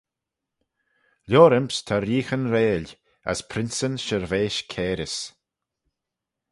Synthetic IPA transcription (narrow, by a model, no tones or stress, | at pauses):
lʲoːɾɪmpst̪ʰaɾiːxənɾeːlʲ | a̰spʰɾɪnsənʃəɹveːʃkʰeːɾɪs